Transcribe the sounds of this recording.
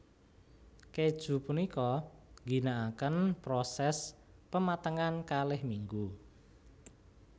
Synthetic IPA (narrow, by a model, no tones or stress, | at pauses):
ked̥ʒ̥ṳpunikɔŋɡi̤naʔakənpɾɔsɛs | pəmat̪əŋankalɪhmiŋɡu